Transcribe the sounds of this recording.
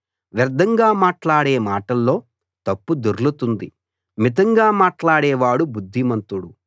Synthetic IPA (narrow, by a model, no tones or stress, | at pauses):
ʋɐɾd̪ʱɐŋɡaːmaːʈlaːɽeːmaːʈɐlːo̞ː | t̪ɐpːud̪uɾlut̪und̪i | mit̪̬ɐŋɡaːmaːʈlaːɽɛːʋaːɽubud̪ʱːimɐnt̪uɽu